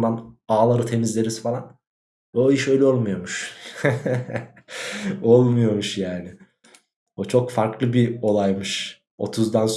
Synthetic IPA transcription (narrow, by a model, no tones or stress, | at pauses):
manaːlˠaɾɯt̪ʰe̞mizlʲe̞ɾizfalˠan | oiʃø̞jlʲɛo̞lˠmujo̞muʃ | o̞lˠmujo̞muʃjaːnɪ | ot͡ʃʰo̞kfaɾklˠɯbio̞lˠajmɯʃ | o̞̰t̪ʰuzd̪ans